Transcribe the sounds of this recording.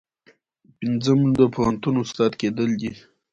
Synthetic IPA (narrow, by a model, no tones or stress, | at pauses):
pinzəmd̪əpʰohant̪unʊst̪ɑd̪ked̪əld̪i